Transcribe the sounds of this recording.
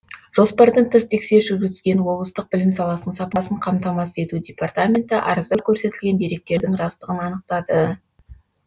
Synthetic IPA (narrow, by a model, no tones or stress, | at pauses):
ʒ̥o̞spɑɾd̪əɴt̪ʰəst̪ʰe̞kse̞ɾʒʏɾɡʲɪzɪzɡʲe̞nwo̞blˠəst̪əq̚bɪlɪmsɑlˠɑsəɴsɑpɑsəɴqʰɑmt̪ɑmɑse̞t̪ud̪ʲe̞part̪amʲe̞nt̪ɪʔɑ̰ɾəzd̪ɑkʲʰɵɾse̞t̪ɪlɡʲe̞nd̪e̞ɾe̞k̚t̪e̞ɾd̪ɪŋrɑst̪əʁənɑnəqt̪ɑd̪ə